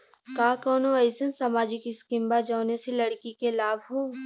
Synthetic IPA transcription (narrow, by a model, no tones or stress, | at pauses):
kaːkɔːnoɛɪsənsamaːd͡ʒɪkɪskɪ̃mbad͡ʒaːneselɐɽkikelaːbʱɦoː